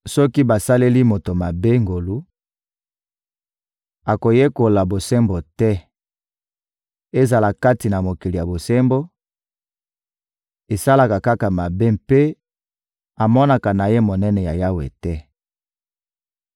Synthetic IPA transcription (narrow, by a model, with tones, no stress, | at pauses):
sɔ˦ki˦ba˨sa˦le˦li˦mo˨to˨ma˨be˦ŋɡo˨lu˦ | a˨ko˨je˦ko˨la˨bo˨se˦mbo˨tɛ˦ | e˦za˨la˨ka˦ti˨na˨mo˨ki˨li˨ja˨bo˨sɛ˦mbo˦ | e˨sa˦la˨ka˨ka˦ka˨ma˨be˦mpe˦ | a˨mɔ˦na˨ka˨na˨je˦mo˨nɛ˦nɛ˨ja˨ja˦wḛ˨tɛ˦